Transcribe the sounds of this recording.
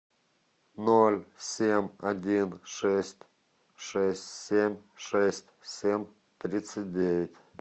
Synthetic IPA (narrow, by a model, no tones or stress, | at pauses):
nolʲsʲemʲɐdʲinʂɛsʲtʲ | ʂɛsʲtʲsʲemʲʂɛsʲtʲsʲemʲ | t̪ɾʲit̪sɨt̚ʲdʲeʋʲɪtʲ